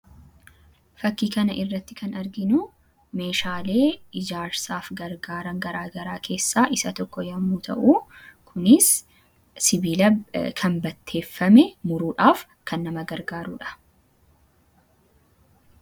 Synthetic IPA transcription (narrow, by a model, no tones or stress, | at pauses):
fɐkːiːkɐnɐʔɪrːɐt̪ːɪkɐnɐɾɡɪnʊ | me̞ːʃaːle̞ːɪd͡ʒaːɾsaːfɡɐɾɡaːɾɐŋɡɐɾaːɡɐɾaːkʰe̞ːsːaːʔɪsɐt̪ɔkːɔjɐmːuːt̪ʰɐ̰ʔuːkʰʊnɪsː | ɪbiːlɐkʰɐnbɐt̪ʰːe̞ːfːɐmɛmʊɾuːᶑaːf | kʰɐnːɐmɐɡɐɾɡaːɾuːᶑɐ̥